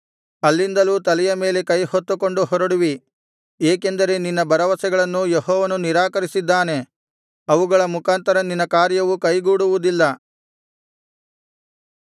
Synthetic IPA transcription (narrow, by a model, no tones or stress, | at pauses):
ɐlːind̪ɐluːt̪ɐlɛjɐme̞ːle̞kɐjhot̪ːuko̞ɳɖuhɔɾɐɽuʋi | eːke̞nd̪ɐɾe̞ninːɐbɐɾɐʋɐsɛɡɐɭɐnːujeɦɔːʋɐnuniɾaːkɐɾisid̪ːaːne̞ | ɐʋuɡɐɭɐmukaːnt̪ɐɾɐninːɐkaːɾjɐʋukɐjɡuːɽuʋud̪ilːɐ